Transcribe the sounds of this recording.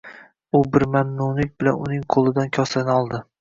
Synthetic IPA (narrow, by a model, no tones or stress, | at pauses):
ʊbɪɾmamnʊnɪk̚ʲbɪlanʊnɪŋqʰolˠɪd̪ankʲʰɒsanɪɒlˠd̪ɪ